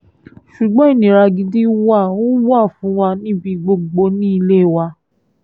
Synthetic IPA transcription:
ʃu˨ɡ͡bɔ̃˨˦i˦˨nĩ˨ɾa˧ɡi˧di˦wa˦˨wo˦wa˦˨fũ˨˦wa˧nĩ˦bi˧ɡ͡bo˧ɡ͡bo˧nĩ˦i˧le˦˨wa˧

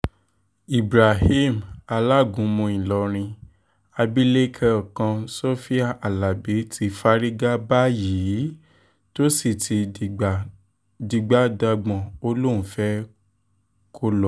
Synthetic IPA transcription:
i˨bɾa˨ɦi˦˨ma˧la˦˨ɡũ˨˦mũ˧ĩ˨lɔ˨˧˦ɾ̃ĩ˧ | a˧bi˦le˦kʰɛ˦ɔ˨kã˧so˦fi˦a˦˨ʔa˨la˨be˨˦ti˧fa˦ɾi˦ɡa˦ba˦jiː˨˦ | to˦si˨tʰi˧˨ | di˧ɡ͡ba˦da˧ɡ͡bɔ̃˨o˦lo˦˨ũ˨fɛ˦ | kʰo˦lɔ˨

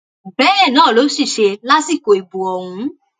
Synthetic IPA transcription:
bɛ˨˦jɛ̃˦˨nãː˦˨lo˨˦ʃi˦˨ʃe˧la˦si˦˨ko˨i˨bu˨ɔ˧hũ˧

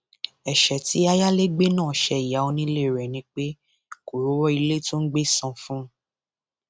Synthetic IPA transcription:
ɛ˨ʃɛ˨ti˨˦a˧ja˦le˦ɡ͡be˦nãː˦˨ʃɛ˧i˨ja˨˦o˧nĩ˦le˦˨ɾɛ˨nĩ˧˦k͡pe˦ | ko˨ɾo˨˦wɔ˦i˧le˦˨to˦n̩˦ɡ͡be˦˨sɔ̃˨˧fũ˦

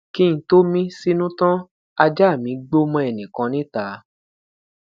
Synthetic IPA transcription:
ki˦nĩ˨to˦mĩ˦si˦nũ˦tã˦ | a˧d͡ʒa˦˨mĩ˨˦ɡ͡bo˦mɔ̃˧ɛ˨nĩ˨kã˨˦nĩ˦ta˨˦

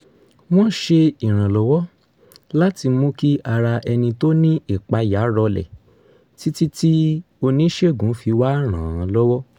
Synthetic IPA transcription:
w̃ɔ̃˦ʃe˧i˨ɾ̃ã˨lɔ˨˦wɔ˦ | la˦ti˧mũ˦ki˦ʔa˧ɾa˧ʔɛ˧nĩ˧to˦nĩ˦i˦˨k͡pa˧ja˨˦ɾɔ˧lɛ̰˨ | ti˦ti˦ti˦ | o˧nĩ˦ʃe˦˨ɡũ˨˦fi˧wa˦ɾ̃ã˨ã˧lɔ˦wɔ˦

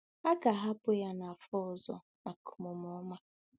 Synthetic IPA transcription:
a˦ka˨ɦa˦pʊ˦ja˦na˨fɔ˦ɔ˨zɔ̰˨ | a˨kʊ̥˨mʊ˨m˨ɔ˦ma˦

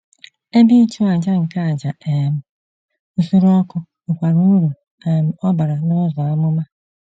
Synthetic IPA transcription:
e˦bi˦t͡ʃu˦a˨d͡ʒa˦ŋ̩˨ka˦a˨d͡ʒa˨e˨m̩˨ | u˦su˦ɾu˦ɔ˦kʊ˦ | ʊ˨kʷa˨ɾu˦u˦ɾu˨ | e˨m̩˦ɔ˦ba˨ɾa˨nɔ˦zɔ˨a˦mʊ˦ma˦

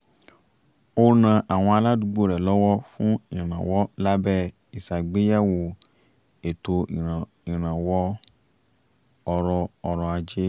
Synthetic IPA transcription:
o˧nã˨ʔa˨w̃ɔ̃˧a˧la˦du˧˦ɡ͡bo˦˨ɾɛ˨lɔ˦wɔ˦fũ˦ĩ˨ɾ̃ã˨wɔ˦la˦bɛ˦˨ | i˨sa˨ɡ͡be˨˦ja˦˨wo˨ | e˨to˧˨ | i˨ɾ̃ã˨wɔ˦ | ɔ˧ɾɔ˧ɔ˧ɾɔ˧a˧d͡ʒe˦

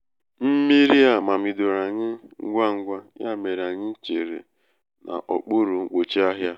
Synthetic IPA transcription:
m̩˦mi˦ɾi˦a˨ma˨mi˨do˨ɾa˨ɲɪ˦ŋ̩˦ɡʷa˦ŋ̩˦ɡʷa˦j̰a˦me˨ɾa˨ɲɪ˦n̩˦t͡ʃe˨ɾḛ˨ | nʔa̰˨ʔɔ̰˨k͡pu˦ɾu˨ŋ̩˦k͡po˨t͡ʃi˦a˦ɦja˦

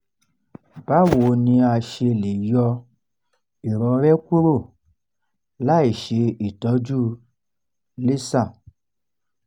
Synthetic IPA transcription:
b̥a˦˨wo˨˦nĩ˧a˧ʃe˧le˨jɔ˧ | i˨ɾɔ̃˨˧˦ɾɛ˦kʷu˦ɾo˦˨ | la˦e˨ʃe˧i˨tɔ˨˦d͡ʒu˦ | le˦sã˦˨

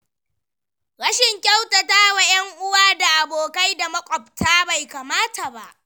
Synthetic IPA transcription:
ɽɐ˦ʃɪ˨ŋkʲa˦wtɐ˨taː˦wa˨jɐ˦ŋʔʊ˦waː˦da˨ʔa˨boː˨ka˦jda˨mɐ˦kʷʼɔ˨p̚tʰaː˦ba˨jkaː˨maː˦ta˨ba˦ʔ

